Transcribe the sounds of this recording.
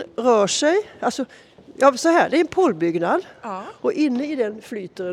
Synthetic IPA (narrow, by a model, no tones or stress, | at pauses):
ɾøːʂæɪɑlsɔ | jɑːsɔhæːd̪ɛæɾɛnpʰoːlbʏɡnɑd̪ʔɔʔɪnːəɪd̪ɛnflyːt̪əɾə